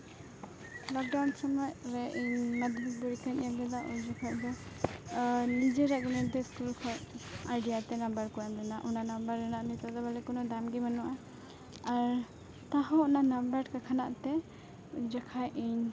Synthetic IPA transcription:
lɔk̚ɖawnsamɔjɾɛʔiɲnad̪bubuɾikaɲambɛd̪aʔɔd͡ʒakʰaʔd̪ɔ | nid͡ʒɛɾaɡɔnɛd̪ɛskulkʰɔɾajɖijat̪ɛnambəɾkɔamlɛnaʔɔnanambəɾːɛnaʔnit̪ad̪ɔbalɛkɔnɔd̪amɡimanɔʔa | aɾ | t̪aɦɔ̃ɔnanambəɾkakʰanaʔt̪ɛ | d͡ʒakʰajʔiɲ

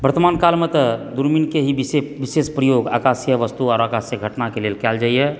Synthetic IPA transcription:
bəɾt̪əmankalmet̪ɔd̪uɾminkeɦibiseʋisespɾəjoɡakasjəʋəst̪uɔːɾakasjəɡʱəʈnakelelkɛld͡ʒaijɛ

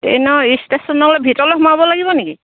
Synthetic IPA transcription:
ḛnɔistesɔnːɔklebʱitɔloxɔmabɔlaɡibɔniki

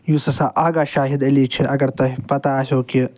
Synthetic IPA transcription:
jusɐsãʔaːɡaːʃaːɦid̪ɐliːt͡ʃʰiɐɡɐɾt̪ɐɦipɐt̪aɐsʲoːki

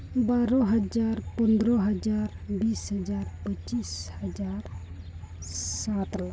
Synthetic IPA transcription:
baːɾɔ̃ɦəd͡ʒaːɾpənd̪ɾɔɦəd͡ʒaːɾ | biːsɦəd͡ʒaːɾpət͡ʃiːshəd͡ʒaːɾ | sat̪la

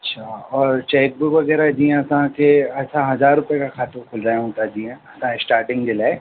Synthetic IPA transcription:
ɐtːʃʰaːɔːɾt͡ʃeːk̚bʊkʋɐɡɛːɾad͡ʒijãɐsãkeɐsãɦɐzaːɾːʊpjekakʰaːt̪õkʰʊld͡ʒaːeɦũːt̪ad͡ʒiãɐsãɪsʈaːɾʈɪ̃ŋɡdɪla

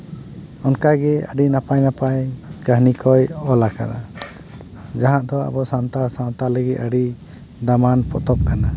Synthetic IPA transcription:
ɔnkaɡɛə̰ɖinapajnapajkəɦnikʰɔjɔlaka̰na̰ | d͡ʒaɦãʔd̪ɔa̰bɔsant̪aɾsaw̃t̪aləɡit̪̚ˀəɖi | d̪amanpɔt̪ɔp̚kana

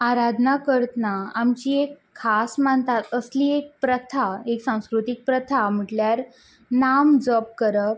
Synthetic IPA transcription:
aɾad̪ʱnakəɾt̪naamt͡ɕiekʰːasmant̪at̪əsliːek̚pɾət̪ʰaeksãw̃skɾut̪ik̚pɾət̪ʰam̤əʈljaɾ | namd͡zɔb̚kəɾə

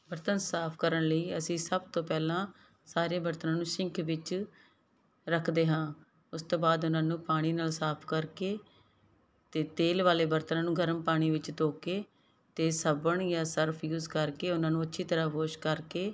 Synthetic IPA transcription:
bəɾt̪ənsaːpʰkəɾəɳləiːəsĩːsəb̚t̪õːpɛːlãː | saːɾeːbəɾt̪ənãːnũːʃɪŋkʰʋɪt͡ʃ | ɾəkʰd̪eːɦãː | ʊst̪oːbaːd̪ʊnãːnũːpaːɽ̃iːnaːlsaːpʰkəɾkeː | t̪eːt̪eːlʋaːleːbəɾt̪ənãːnũːɡʱəɾəmpaːɽ̃iːʋɪt͡ʃt̪oːkeː | t̪eːsəbəɳjãːsəɾpʰjuːzkəɾkeːʊnãːnũːətːʃʰiːt̪əɾaːboːʃkəɾkeː

